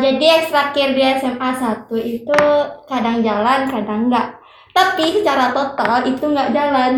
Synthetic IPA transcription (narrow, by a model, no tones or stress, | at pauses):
d͡ʒadiɛkst̪ɾakɪrdiɛsɛmasat̪uit̪ukadaŋd͡ʒalankadaŋɡaʔ | t̪apisət͡ʃaɾat̪ot̪alit̪uŋɡaʔd͡ʒalan